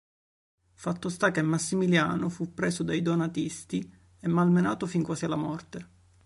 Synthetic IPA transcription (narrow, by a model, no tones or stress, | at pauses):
fat̪ːost̪ak̟emːasːimiljaːnofupːɾeːsod̪ajd̪onat̪ist̪i | ɛmːalmenaːt̪ofiŋkwaːsialːamɔrt̪e